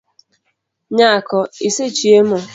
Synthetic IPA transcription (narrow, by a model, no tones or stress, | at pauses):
ɲakɔiset͡ʃiemɔ